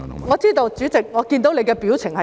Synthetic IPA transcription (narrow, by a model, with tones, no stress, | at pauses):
ŋɔː˨˧t͡siː˥t̪o˨˧wt͡syː˨˥t͡sɪ˨k̚ŋɔː˨˧kiː˧nt̪o˨˥wle˨˧jkɛː˧piː˨˥wt͡sʰɪ˨˩ŋhɐ˨